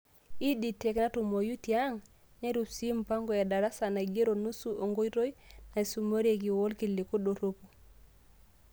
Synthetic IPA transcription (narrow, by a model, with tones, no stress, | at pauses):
i˦di˨te˨kna˦tu˨mo˨ju˦ti˨a˦ŋ | ɲe˦ɾu˨psi˦mpa˦ŋɡo˨e˨da˨ɾa˦sa˨na˨ɡe˦ɾo˨nu˦su˦ʔo˨ŋɡo˦jɾo˦jna˨su˨mo˦ɾe˨ɡi˨wo˦lki˨li˨ku˦ɗo˨ɾo˦pu˨